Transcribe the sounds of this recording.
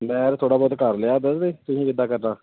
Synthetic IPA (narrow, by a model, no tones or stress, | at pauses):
mɛ̃ːɾt̪ʰoːɽaːbɔːt̪kəɾleaːd̪əd̪eːt̪ʊsĩːʋɪd̪aːkəɾnaː